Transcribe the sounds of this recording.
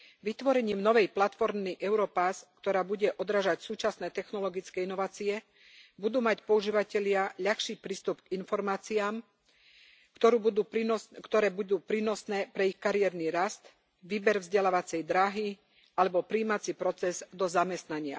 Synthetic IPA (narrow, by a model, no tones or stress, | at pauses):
ʋit̪ʋɔɾɛɲiːmnɔʋɛjplat̪fɔɾmniʔɛʊɾɔpaskt̪ɔɾaːbuɟɛʔɔd̪ɾaːʒacsuːt͡ʃasnɛːt̪ɛxnɔlɔɡit͡skɛːinɔʋaːt͡siɛ | bud̪uːmacpɔuʒiːʋacɛʎɪaʎaxʃiːpɾiːst̪upkinfɔɾmaːt͡siaːm | t̪ɔɾuːbud̪ukt̪ɔɾɛːbud̪uːpɾiːnɔsnɛːpɾɛixkaɾijɛɾniɾast̪ | ʋiːbɛɾvzɟɛlaːʋat͡sɛjd̪ɾaɦi | alɛbɔpɾiːmat͡sipɾɔt͡sɛzd̪ɔzamɛst̪naɲɪa̰